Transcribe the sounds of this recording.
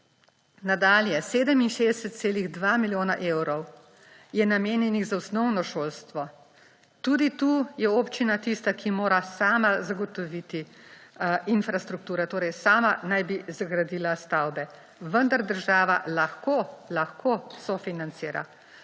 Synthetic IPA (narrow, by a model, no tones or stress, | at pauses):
nad̪aːljɛseːd̪əminʃeːd̪ɛsɛt̪t̪seːliɣd̪ʋamiljoːnaʔeːwɾɔw | jɛnameːnjɛniɣzausnɔwnɔʃoːlst̪ʋɔ | t̪uːd̪it̪ujɛoːpt͡ʃinat̪ist̪akʰimoːɾasaːmazaɡɔt̪ɔʋit̪i | infɾast̪ɾuk̚t̪uːɾɛt̪oːɾɛjsaːmanajbizaɡɾad̪iːlast̪awbɛ | ʋənd̪aɾd̪əɾʒaːʋa̰laxkolaxkʰosɔfinant̪siːɾa̰